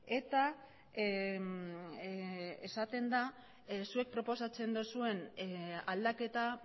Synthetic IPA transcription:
e̞t̪a | esat̪e̞nd̪a | sue̞k̚pɾo̞po̞sat͡se̞nd̪usue̞nald̪ake̞t̪a

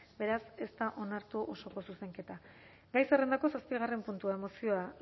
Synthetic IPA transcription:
be̞ɾase̞st̪aʔo̞naɾt̪uʔo̞so̞ko̞suse̞ŋke̞t̪a | ɡajsere̞nd̪ako̞saspiɣ̞are̞mpunt̪uae̞mo̞sio̞a

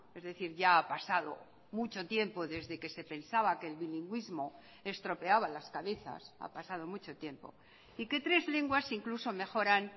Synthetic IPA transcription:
ezðe̞θiɾʝaːpasaðo̰ | mut͡ʃo̞t̪je̞mpo̞ðe̞zðeke̞se̞pe̞nsaβakeːlβiliŋɡwizmo̞ | e̞st̪ɾo̞pe̞aβalaskaβe̞θa̰sa̰pasað̞o̞mut͡ʃo̞t̪je̞mpo̞̰ | ike̞t̪ɾe̞zle̞ŋɡwasiŋkluso̞me̞xo̞ɾan

